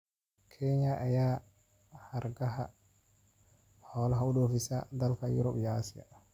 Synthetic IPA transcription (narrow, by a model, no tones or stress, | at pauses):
kʰɛɲɐʔɐjaː | hɐrɡɐɦɐ̰ | ħɔːlɐɦɐʊɗɔːfɪsɐd̪ɐlkʰɐjʊ̰ɾɔbijɐaːsɪjɐ̰